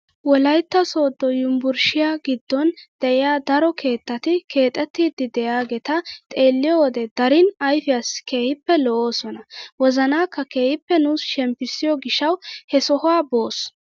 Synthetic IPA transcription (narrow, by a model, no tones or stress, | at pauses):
wɔlɐjt̪ːɐso̞ːd̪ːɔjʊmbʊɾʃɪjaːɡɪd̪ːɔnd̪̥ɛʔɪjaːd̪ɐɾɔkʰe̞ːt̪ːɐt̪ɪkʰe̞ːt̪ʼːɛt̪ːiːd̪ɪd̪ɛjaːɡɛt̪ɐt̪ʼe̞ːlːɪjɔwɔd̪ɛd̪ɐɾɪnɐjfɪjaske̞ːhɪpːɛlɔʔoːsɔnɐwɔzɐnaːkːɐke̞ːhɪpːɛnuːsʃɛmpːɪsːɪjɔɡɪʃːɐwhɛsɔhʊaːbo̞ːs